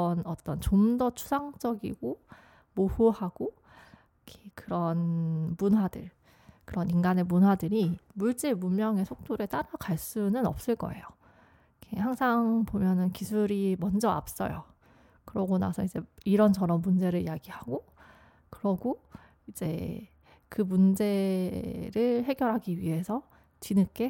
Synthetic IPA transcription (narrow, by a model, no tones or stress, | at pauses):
ʌnʌt͈ʌnt͡ɕomdʌt͡ɕʰu̥sʰaŋd͡ʑ͈ʌɡḭɡo | mohuhaɡ̥o | kʰekɯɾʌnmunɦwadɯɭ | kɯɾʌninɡane̞munɦwadɯɾimuɭt͡ɕ͈emumjʌŋe̞sʰok̚t͈oɾe̞t͈aɾakaɭs͈unɯnʌ̰p̚s͈ɯɭk͈ʌ̰e̞̰jo | kʰehaŋsʰaŋpomjʌnɯnkisʰuɾimʌnd͡ʑʌa̰p̚s͈ʌ̰jo̰ | kɯɾʌɡona̰sʰʌid͡ʑe̞iɾʌnd͡ʑʌɾʌmːund͡ʑe̞ɾɯɭijaɡihaɡo | kɯɾʌɡo | id͡ʑe̞̰ | kɯmund͡ʑe̞ | ɾɯhe̞ɡjʌɾɦaɡiɥiɦe̞sʰʌ | t͡ɕinɯk͈e̞